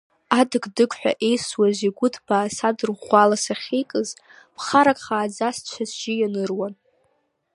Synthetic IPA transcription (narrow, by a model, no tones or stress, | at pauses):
adɨɡdɨkʷʰʼħʷᶣa̰ʔe̞jswaziɡʷʊtʰbaːsadɨrʁʷalasaχʲejkʼɨz | pʰχaɾakʼχaːd͡zast͡ʃʷʰazʒijanɨrwan